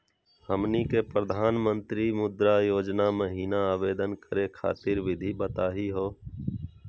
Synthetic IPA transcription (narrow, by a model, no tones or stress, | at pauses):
həmnikepɾəd̪ʱaːnmə̃nt̪ɾimʊd̪ɾajoːd͡ʒnaməɦiːnaaːʋeːd̪ənkəɾekʰa̰ːt̪ɪɾʋɪd̪ʱibət̪aːɦiɦoː